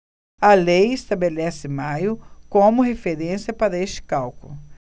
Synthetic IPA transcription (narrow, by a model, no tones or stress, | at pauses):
ɐlejest̪abelɛsɪmajʊkõmʊhefeɾẽsiɐpaɾɐest͡ʃɪ̥kawkʊlʊ